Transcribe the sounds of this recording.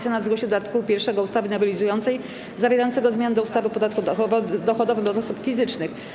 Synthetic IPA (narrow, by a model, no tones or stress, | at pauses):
sʲjanad̪zɡwɔɕt͡ɕɛd̪d̪at̪kupʲjɛɾfʂɛɡɔust̪avɘnɔvilʲizujɔnt̪sɛj | zavʲɛɾajɔnt̪sɛɡɔzmʲjand̪ɔust̪avɘpɔd̪at̪kud̪ɔxvd̪ɔxɔd̪ɔvɘmd̪ɔɔsupfʲizɘt͡ʂnɘx